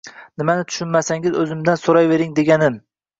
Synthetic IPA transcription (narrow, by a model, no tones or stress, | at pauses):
nɪmanɪt̪ʰʊ̥ʃʊnmasaŋɪzɵzɪmd̪ansoɾajve̞ɾɪŋd̪e̞ɡʲanɪm